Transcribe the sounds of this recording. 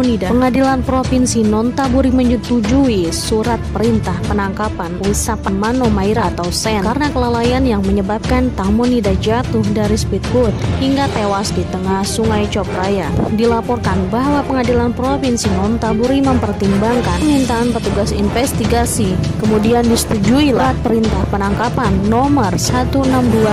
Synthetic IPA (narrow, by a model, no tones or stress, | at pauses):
nidapəŋadilanpɾofinsinɔnt̪abuɾiməɲut̪ud͡ʒuisuɾat̪̚pəɾint̪ahpənaŋkapanwisapanmanomaiɾat̪awsɛkaɾənakəlalajanjaŋməɲəbap̚kant̪aŋmonidad͡ʒat̪ʊhdaɾispit̪̚bʊt̪̚hiŋɡat̪ewasdit̪əŋahsuŋajt͡ʃɔpɾajadilapɔrkanbaɦwapəŋadilanpɾopinsinɔnt̪abuɾiməmpərt̪imbaŋkanmint̪aːnpət̪uɡasinfɛst̪iɡasikəmudiandisə̥t̪ud͡ʒuilat̪̚pəɾint̪ahpənaŋkapanːɔmərsat̪uənamdua